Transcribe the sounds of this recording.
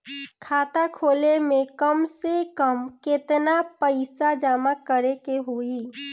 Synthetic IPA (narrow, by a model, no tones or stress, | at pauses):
kʰaːt̪akʰoːlemẽkəmsekəmkɪt̪napəɪsad͡ʒaːmakəɾekeɦoiː